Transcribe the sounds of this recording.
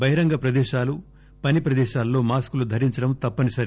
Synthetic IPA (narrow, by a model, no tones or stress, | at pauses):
bɐɦiɾɐŋɡɐpɾɐd̪ɛːʃaːlu | pɐnipɾɐd̪ɛːʃaːlːo̞ːmaːskulud̪ʱɐɾiɲt͡ʃɐɽɐmt̪ɐpːɐnisɐɾi